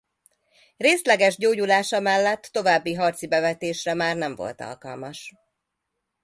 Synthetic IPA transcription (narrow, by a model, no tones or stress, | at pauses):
reːslɛɡɛʒɟoːɟulaːʃɒmɛlːɛt̪ːo̞vaːbːiɦɒrt̪sibɛvɛt̪eːʃrɛmaːrnɛɱvo̞̰lt̪ɒ̰lkɒ̰lmɒʃ